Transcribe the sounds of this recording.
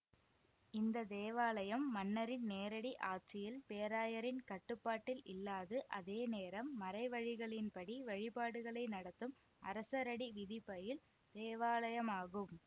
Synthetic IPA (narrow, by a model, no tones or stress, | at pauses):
ɪnd̪ɐd̪eːʋaːlɐjɐmːɐnːɐɾɪnneːɾɐɽiʔaːʈ̚t͡ʃːɪjɪlpeːɾaːjɐɾɪnkɐʈːɯpːaːʈːɪlʔɪlːaːðɯʔɐðeːneːɾɐmːɐɾɐɪʋɐɻɪɣɐɭɪnpɐɽiʋɐɻɪpaːɽɯɣɐɭɐɪnɐɽɐt̪ːɯm | ʔɐ̰ɾɐsɐɾɐɽiʋɪðɪpːɐjɪl | d̪̥eːʋaːlɐjɐmaːɣɯm